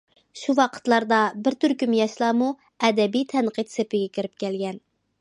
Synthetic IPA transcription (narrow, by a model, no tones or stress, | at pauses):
ʃuwɑqʰə̥t̪lˠɑɾd̪ɑbɪɾt̪yɾkʲymjɑʃlˠɑːmu | ɛd̪ɛbijt̪ʰɛnqʰɨt̪sepɪɡʲɛkʲiɾɪp̚kʲɛlɡʲɛn